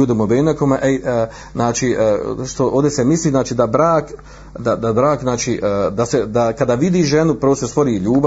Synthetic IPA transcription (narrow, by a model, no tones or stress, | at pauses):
uːd̪emobenakomeʔe | znaːt͡ʃiʔʃt̪oʔoːd̪ʲesemisliːznaːt͡ʃiːd̪abɾaːk | d̪ad̪abɾaːkznaːt͡ʃiːʔd̪ased̪akad̪aːʋid̪iːʒenupɾoost̪est̪oɾiːʎuːba